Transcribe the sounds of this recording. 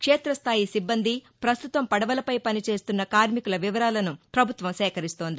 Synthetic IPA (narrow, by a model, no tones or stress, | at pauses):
kʂeːt̪ɾɐst̪ʰaːjisibːɐnd̪ipɾɐst̪ut̪ɐmpɐɽɐʋɐlɐpɐjpɐnit͡ʃe̞ːst̪unːɐkaːɾmikulɐʋiʋɐɾaːlɐnupɾɐbʱut̪ʋɐmsɛːkɐɾist̪o̞ːnd̪i